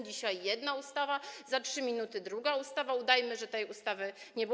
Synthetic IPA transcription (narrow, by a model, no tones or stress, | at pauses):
d͡ʑiɕajːɛd̪naust̪avazatʂɘmʲinut̪ɘd̪ɾuɡaust̪avaud̪ajmɘʐɛt̪ɛjust̪avɘɲɛb